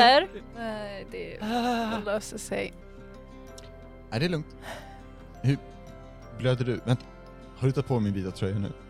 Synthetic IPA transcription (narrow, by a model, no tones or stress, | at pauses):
æɾnad̪ɛ | løːsəsɛ̰j | æɖɛlɵŋk̚t̪ | hʉɾ | bløːd̪əɖɵvɛnt̪ḁ | haɖɵt̪at̪̚pʰɔmɪnbiːt̪avt̪ʰɾœjːanʉ̰ː